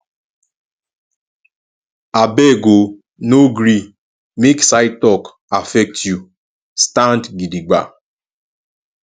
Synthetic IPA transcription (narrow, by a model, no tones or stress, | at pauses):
abeɡo | noɡɾi | meksaɪtɔk | afɛk̚tju | stãntɡidiɡ͡ba̰